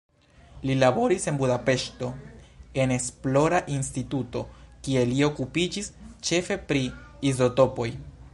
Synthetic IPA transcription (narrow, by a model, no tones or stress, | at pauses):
lilabo̞ɾise̞nbudape̞ʃto̞e̞ne̞splo̞ɾaʔinstituto̞kie̞lio̞kupid͡ʒist͡ʃe̞fe̞pɾiizo̞to̞po̞j